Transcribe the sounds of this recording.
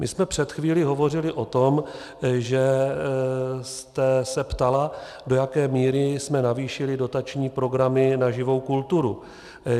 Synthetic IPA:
mɪ̰smɛpr̝̥ɛt̪xviːlɪɦo̞vo̞rɪlɪʔo̞t̪o̞m | ʒɛ | st̪ɛsɛpt̪ala | do̞jakɛːmiːɾɪsmɛnaviːʃɪlɪdo̞t̪at͡ʃɲiːpɾo̞ɡɾamɪnaʒɪvo̞wkult̪uɾu

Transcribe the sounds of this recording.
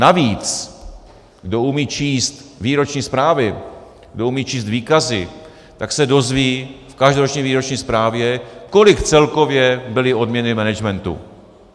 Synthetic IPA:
naviːt͡s | ɡdo̞umiːt͡ʃiːst̪viːɾo̞t͡ʃɲiːspɾaːvɪ | ɡdo̞umiːt͡ʃiːst̪viːkazɪ | t̪aksɛdo̞zviːfkaʒdoɾot͡ʃɲiːviːɾot͡ʃɲiːspɾaːvjɛko̞lɪkt͡sɛlko̞vjɛbɪlɪo̞dmɲɛnɪmɛnɛd͡ʒmɛnt̪ṵ

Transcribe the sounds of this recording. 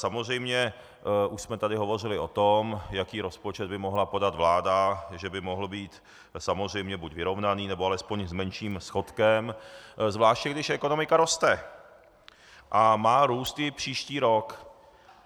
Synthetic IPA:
samozr̝ɛjmɲɛ | ʔuʃsmɛt̪adɪɦo̞vo̞r̝ɪlɪʔot̪omjakiːɾo̞spo̞t͡ʃɛd̪̚bɪmoɦlapo̞dad̪vlaːdaʒɛbɪmoɦl̩biːt̪ | samozr̝ɛjmɲɛbucvɪɾo̞vnaniːnɛboalɛspoɲzmɛnʃiːmsxo̞t̪kɛmzvlaːʃcɛɡdɪʃʔɛko̞no̞mɪkaɾo̞st̪ɛ | ʔamaːɾuːst̪jɪpr̥iːʃciːɾo̞k

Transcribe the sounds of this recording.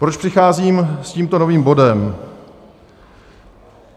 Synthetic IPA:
pɾot͡ʃpr̥ɪxaːziːmsciːmt̪o̞noviːmbo̞dɛm

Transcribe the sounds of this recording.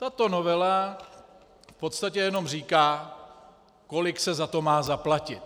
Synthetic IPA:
t̪at̪o̞no̞vɛla | fpo̞t̪st̪acɛjɛno̞mr̝iːkaː | ko̞lɪksɛzat̪o̞maːzaplacɪt̪

